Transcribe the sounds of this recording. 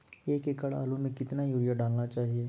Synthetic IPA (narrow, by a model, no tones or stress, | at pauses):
eːkekəɭa̰ːlõmẽkɪt̪najuːɾijaɖaːlnat͡ʃaːɦieː